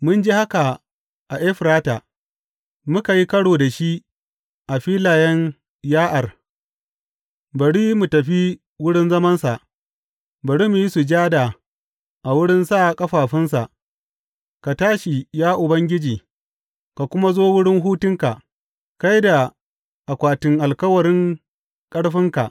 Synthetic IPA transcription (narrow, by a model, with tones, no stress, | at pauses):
mʊ˦nd͡ʒi˦ha˦ka˨ | ʔa˨ʔe˦ɸɾaː˦taː˨ | mʊ˦ka˨ji˦kɐ˦ɽoː˨da˨ʃi˦ | ʔa˨ɸiː˦laː˨jɛ˦ɲ | jaː˦ʔa˨r | bɐ˨ɽiː˦mu˨tɐ˨ɸi˦ | wʊ˦ɽɪ˦nzɐ˦mɐ˦nsa˨ʔ | bɐ˨ɽiː˦mu˨ji˦su˨d͡ʒaː˦da˨ | ʔa˨wʊ˦ɽɪ˦nsa˦˨kʼɐ˦ɸaː˨ɸɪ˦ns̬a˨ʔ | ka˨taː˦ʃi˨jaː˦ʔʊ˨bɐ˦ŋɡʲɪ˦d͡ʒiː˨ | ka˨kʷʊ˦ma˦zoː˦wʊ˦ɽɪ˦ŋɦuː˦tʊ˦ŋka˨ | ka˦jda˨ | ʔa˨kʷaː˨tɪ˦ŋʔa˨lkɐ˦wɐ˨ɾɪ˦ŋ | kʼɐ˦ɽɸɪ˦ŋka̰˨ʔ